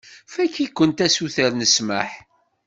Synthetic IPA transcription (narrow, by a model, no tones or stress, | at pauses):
fækːikʷːənt̪æsuθəɾnəsmə̰ħ